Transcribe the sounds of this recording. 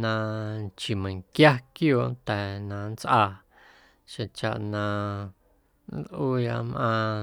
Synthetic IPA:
nã˧t͡ʃi˨mə̃˨ŋkja˦kjoː˦˨ʔnt̪ɛ˨nã˧˨n˦t͡sʔaː˧ | ʃẽ˧t͡ʃa̰˨ʔnã˧ | n˦lʔuː˦ja˧ʔmʔãː˧

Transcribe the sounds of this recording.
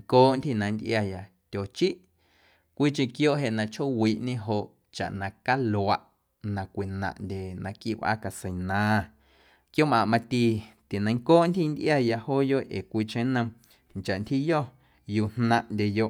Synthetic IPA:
ŋkoː˦ʔnt̪hi˧˨nã˧nd̪ʔja˧ja˨ | t̪ʲo˨t͡ʃi˦ʔ | kʷiː˦t͡ʃẽ˧kjoː˦ʔɦe˧ʔnã˧t͡ʃʰho˦wiː˨˦ʔɲẽ˦ɦo˧˨ʔ | t͡ʃa̰˨ʔnã˧ka˦lo˨a˧ʔ | nã˧kʷi˨nã̰˧˨ʔndʲe˨nã˧ki˦wʔa̰˦ka˧sə˨nãː˨˧ | kjo˦mã˧ʔmã˧t̪i˧t̪e˨nə̃˧ŋkoː˦ʔnt̪hi˦˧nd̪ʔja˧ja˧hoː˦jo˦ʔʔḛː˨kʷi˧t͡ʃẽ˦nə̃˧ | nt͡ʃa˨ʔnt̪hi˦jɔ˦˨ | juː˧˨hnã˧ʔndʲe˧jo˧ʔ

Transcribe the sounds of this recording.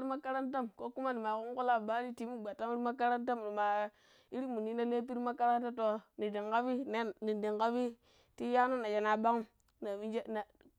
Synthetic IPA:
ɾi˦ma˦ka˦ɾa˦nta˦mko˦ku˦ma˦ni˨ma˨ku˦ŋ˦ku˦la˦˨ba˦ɾi˦ti˨mu˦ɡ͡ba˨ta˦mi˦ɾi˦ma˦ka˦ɾa˦nta˦m˨ni˨ma˨ | i˦ɾi˦mu˨ni˦na˦le˦p̬i˦ɾi˦ma˦ka˦ɾa˦nta˦to˨ni˨de˨ŋka˦bi˦ne˦ni˨de˨ŋka˦bi˦ | ti˦ja˦no˦na˨d͡ʒa˨na˨ba˦ŋ˦ | na˨bi˦d͡ʒe˦na˨

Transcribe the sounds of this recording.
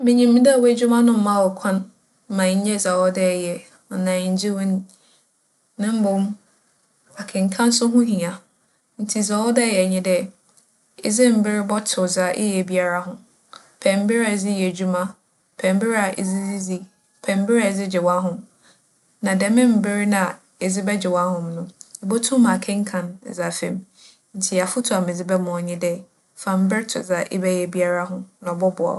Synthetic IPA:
mɪ̃˦ɲĩ˨mɪ̃˦da˦˨we˦d͡ʑᶣu˦mã˦nʊ̃˦m̩˦mã˦˨wɔ˨kʰã˦n | m̩˦mã˨ɲ̩˦ɲɛ˦za˨wɔ˦dɛ˦˨jɛ˨ | ɔ˨nã˨ɲ̩˨˦d͡ʑi˦wʊ̃˦n˦ | nɪ̃˦m̩˦bʊ̃˨˦m | a˨kʰɪ̃˨ŋ̩˨kʰã˦n̩˦sʊ˦ɦʊ̃˦ɦĩ˨ã˨ | n̩˦tʰi˨za˨wɔ˦dɛ˦˨jɛ˨ɲɪ̃˦dɛ˦ | ɪ˦zɪ˦m̩˨˦bɪ˦ɾɪ˦bɔ˦tʰʊ˨za˨ʔɪ̰˦jɛ˨bi˦a˦ɾa˦ɦʊ̃˦ | pʰɛ̃˨m̩˦bɪ˦ɾa˨zɪ˦jɛ˨d͡ʑu˦mã˦ | pʰɛ̃˨m˦bɪ˦ɾa˨ʔɪ̰˨zɪ˦zi˦zi˦ | pʰɛ̃˨m˦bɪ˦ɾa˨zɪ˦d͡ʑɪ˨wa˦ɦʊ̃˨m | nã˨dɛ˨mɪ̃˦m̩˨bɪ˦ɾnã˨ | ɪ˨zɪ˦bɛ˦d͡ʑɪ˨wa˦hʊ̃˨mnʊ̃˦ɪ˨bɔ˦tʰʊ̃˦mã˨kʰɛ̃˦ŋ˦kʰã˨n˨za˨fɛ̰̃˨m | n̩˨tʰɪ˨a˨fʊ˦tʰʊ˨a˨mɪ̃˨d͡zɪ˦bɛ˦mʊ̃˨ɔ˨ɲɪ̃˦dɛ˦ | fã˨m̩˦bɪ˦tʰʊ̰˨za˨ʔɪ̰˦bɛ˦jɛ˨bi˦a˦ɾa˦ɦʊ̃˦nã˨bɔ˦bʊ˨a̰˨

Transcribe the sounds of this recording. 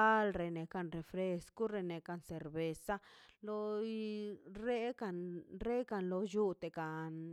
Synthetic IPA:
a˦lɾe˨˧ne˨ka˧nɾe˨fɾe˧sko˦ɾe˧ne˨ka˧nse˨ɾbe˨sa˦lo˧ | ɾe˦ka˧nɾe˦ka˧nlo˧ju˦t̪e˨ka˨n

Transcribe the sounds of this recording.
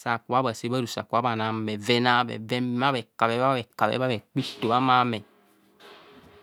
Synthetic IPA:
sa˨ku˨a˦ba˨se˦ba˦du˨sa̰˨ku˨a˨˦ba˨na˨mɛ˨vɛ˦na˦bɛ̰˨vɛ˦ma˦βɛ˨ka˨bɛ˦a˦ɛ˨ka˨bɛ̰˦ba˦βɛ˨k͡pi˦to˨ba˦ma˦mɛ˨

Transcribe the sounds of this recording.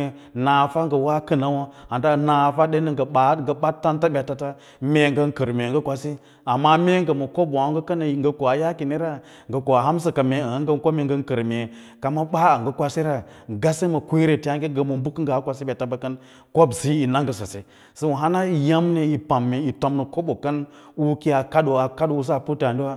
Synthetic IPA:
na˨fa˦ŋɡə˨wa˦kə˦na˦wa˦ha˨nta˦˨na˨fa˦ɗe˦nə˦ŋɡə˨ɓa˨˦ŋɡə˨ɓa˦tːa˦nta˦ɓʲa˨ta˦ta˦ | me˨ŋɡə˦ŋ˦kə˨ɾme˨ɡə˦kʷa˨si˦ | a˨mːa˦me˦ŋɡə˨mo˨ko˦bo˨a˦ŋɡə˦kə˦na˨ŋɡə˨ko˨a˨ja˦ki˨ni˦ɾa˦ | ŋɡə˨ko˨a˨ɦa˦ms̬ə˨ka˨me˨a˨˦ŋɡə˦ko˦me˨ŋɡə˦ŋ˦kə˨ɾme˨ | ka˨ma˦ɓa˦a˨ŋɡə˦kʷa˦si˦ɾa˦ɡa˦se˦ma˨kʷe˦ɾe˨ti˦a˦ŋɡe˦ɡə˨mo˨mbu˦kɡa˨a˦kʷa˦s̬i˦ɓʲa˨ta˦ba˨kə˦n | ko˦bzi˦i˨na˦ŋɡə˨sa˨se˨ | sə˦wu˨ɦa˦na˦i˨ja˦mne˦i˨pa˨mːe˨i˨to˨mnə˨ko˦bo˨kə˦n | u˦ki˦a˨ka˦do˨a˨ka˦du˦s̬a˦˨pu˦ta˨ndi˦wa˦

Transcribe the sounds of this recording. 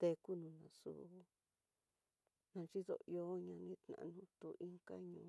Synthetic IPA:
t̪e˧ku˦nũ˧nã˧˨sṵ˧˨ | nã˧t͡ʃi˦ðo̰˧jo˦ɲã˧nĩ˦t̪nã̰˨˧nũ˧˦t̪u˧˨ʔi˦ŋka˦ɲũː˧˨

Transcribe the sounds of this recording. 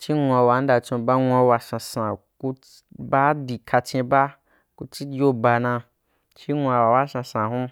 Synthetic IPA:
t͡ʃi˦ŋʷ˧a˧wa˨n̩˦da˧t͡ʃõ˧ba˦ŋʷ˧a˧wa˧sã˧sã˨ku˧ | ba˦di˨kʰa˧t͡ʃẽ˧ba˦ | ku˧t͡ʃi˦d͡ʒo˦ba˧nã˧ | t͡ʃi˦ŋʷ˧a˧wa˨wa˦sã˧sã˨ɦũ˦

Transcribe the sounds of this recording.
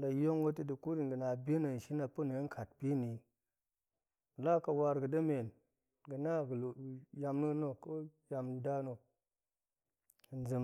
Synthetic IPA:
la˨jo˦ŋwo˦ti˦di˨ku˦ɾi˨nɡə˨na˨be˦no˨ʃi˦na˨pə˦nə˨˦ŋ˦kʰa˨t̚pi˦ni˨ | la˦ka˨wa˧ɾɡə˨də˦me˨n | ɡə˨na˦ɡlja˨mnu˦no˦ko˦ja˨m˦da˦no˨ | n˦d͡zə˨m

